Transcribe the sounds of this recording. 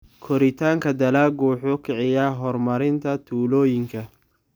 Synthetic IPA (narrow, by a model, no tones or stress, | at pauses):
kʰɔɾɪt̪ʰaːŋkʰɐd̪ɐlaːɡuːħʊkʰɪʕɪjɐɦɔrmɐɾɪnt̪ʰɐt̪ʰuːlɔːjɪŋkʰɐ